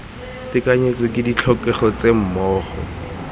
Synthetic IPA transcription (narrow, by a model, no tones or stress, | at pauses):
tɪkaɲet͡sɔkʼɪdit͡ɬʰɔkɛχɔt͡sem̩mɔːχɔ̰